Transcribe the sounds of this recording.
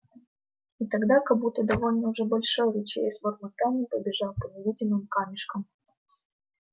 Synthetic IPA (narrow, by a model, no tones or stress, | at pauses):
it̪ɐɡd̪akɐbut̪əd̪ɐvo̞lʲnəʊʐɛbɐlʲʂojɾʲɪt͡ɕḛɪsʲvormɐt̪anʲɪpəbʲɪʐɑlˠpənʲɪvʲidʲɪmɨmkamʲɪʂkəm